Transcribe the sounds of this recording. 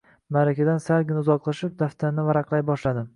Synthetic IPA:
maɾakʲad̪ansalɡʲɪnʊzɒqlˠaʃɪp̚d̪aft̪ʰaɾnɪvaɾaqlˠajbɒʃlad̪ɪm

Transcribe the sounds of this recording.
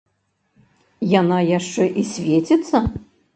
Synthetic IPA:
janajaʂt͡ʂɛʔisʲvʲet͡sʲɛt̪sːɐ

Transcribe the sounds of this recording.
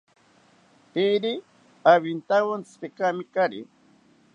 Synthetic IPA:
piɾi | aβint̪awant͡sspekamikaɾḭ

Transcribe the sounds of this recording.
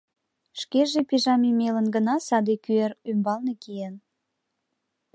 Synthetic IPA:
ʃkeʒepiʒɑmimelənɡənɑsɑd̪ekyeɾymbɑlnekiən

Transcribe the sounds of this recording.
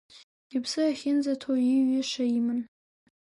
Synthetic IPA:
ibsɨaχʲɪnzatʰojiɥɪʂaimɨn

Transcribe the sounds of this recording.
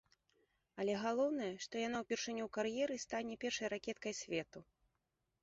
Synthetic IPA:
ɐlʲɛɣalˠɔwn̪ɐjɛʂt̪ɔjan̪awpʲɛrʂɨnʲːuwkaɾjɛɾɨst̪anʲɛpʲɛrʂɐjɾakʲɛt̪kɐjsʲvʲɛt̪u

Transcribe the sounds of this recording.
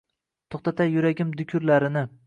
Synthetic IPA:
t̪ʰoχt̪at̪ʰajʊɾaɡʲɪmd̪ʊkʲʰɾlaɾɪnɪ

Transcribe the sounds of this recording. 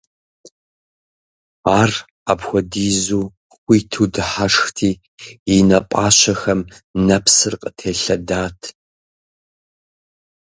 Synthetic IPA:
aːr | apxʷɔdiːzuː | xʷiːtʰuːdɨħaʂxtʰiː | jinɐpʷʼaːɕɐxɐmnɐpsɨrqʼətʰeːɬɐdaːtʰ

